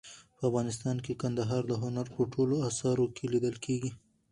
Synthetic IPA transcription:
pəafɣɑnɪst̪ɑnkekand̪aɦɑɾd̪əɦʊnaɾpəʈʰoloasɑɾokʰelid̪əlkʰeɡi

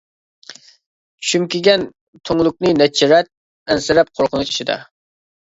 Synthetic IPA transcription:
t͡ʃʰy̥ʃymkʲɪɡʲɛn | t̪ʰoŋlˠʊk̚ʲnɨnɛt͡ʃʰːiɾɛt̪̚ | ɛnsɪɾɛp̚qʰoɾqʰənuʃt͡ʃi̥ʃid̪ɛ̰

